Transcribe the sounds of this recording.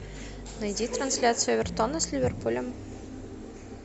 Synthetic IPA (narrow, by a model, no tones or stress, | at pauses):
nɐjd̪ʲit̪ɾansʲlʲat̪sɨjəvʲert̪ɔnəsʲlʲivʲerpulʲəm